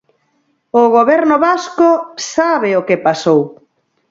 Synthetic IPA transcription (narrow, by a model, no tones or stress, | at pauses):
ʊɣoβɛɾnʊβaskosaβeokɪpasow